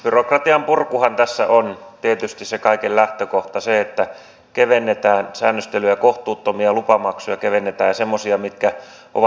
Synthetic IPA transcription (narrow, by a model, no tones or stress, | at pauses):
b̥yrokrɑt̪iɑmpurkuhɑnt̪æsːæ̰ʔont̪iet̪yst̪issekɑikellæht̪økoht̪ɑseet̪ːæ | keʋenːet̪æːnsæ̰ːnːøst̪elyjækoht̪uːt̪ːomiɑlupɑmɑksujɑkeʋenːet̪æːjɑsemːosiɑmit̪kæ | ʔo̰ʋɑ